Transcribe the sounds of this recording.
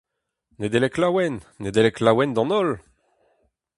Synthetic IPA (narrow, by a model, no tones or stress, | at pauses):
ned̪eleklawɛnːed̪eleklawɛnd̪ɑ̃nɔl